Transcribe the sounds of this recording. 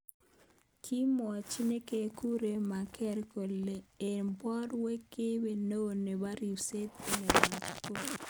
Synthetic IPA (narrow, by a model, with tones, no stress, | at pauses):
kʰi˦mɔ˨t͡ʃi˦ne˦ke˦ku˦ɾe˨ma˨kɛ˦ɾko˨lːe˨e˨mbɔ˦ɾwe˦kːe˦we˨no˦˨ne˨wa˦ɾi˨se˦t̪i˦ne˨wa˨ko˦˨